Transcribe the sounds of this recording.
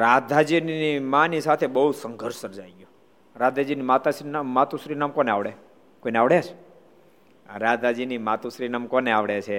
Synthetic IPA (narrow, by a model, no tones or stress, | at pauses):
ɾad̪ʱad͡ʒinimãnisat̪ʰebəɦusəŋɡʱəɾʃsəɾd͡ʒajɡjo | ɾad̪ʱad͡ʒinimat̪aʃinmat̪uʃɾinamkoneaʋɽe | koineaʋɽet͡ʃʰ | ɾad̪ʱad͡ʒinimat̪usɾinamkoneaʋɽet͡ʃʰe